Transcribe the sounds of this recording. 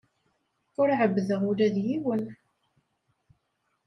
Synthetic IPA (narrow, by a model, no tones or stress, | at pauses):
ʊɾʕəbːðəʁʊɾæðjiwən